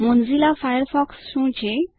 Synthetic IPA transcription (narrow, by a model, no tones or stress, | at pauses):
mond͡zilafajəɾfɔksɕũːt͡ɕe